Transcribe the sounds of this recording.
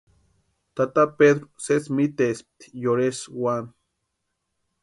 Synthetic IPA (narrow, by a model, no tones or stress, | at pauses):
t̪at̪apeðɾosesmit̪esp̚t̪i̥joɾeswan